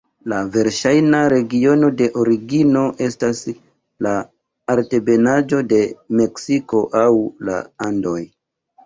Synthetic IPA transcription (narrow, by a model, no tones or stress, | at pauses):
lave̞ɾʃajnaɾe̞ɡio̞no̞de̞ʔo̞ɾiɡino̞ʔe̞stas | laː | ɾte̞be̞nad͡ʒo̞de̞me̞ksiko̞ʔawla̰ando̞j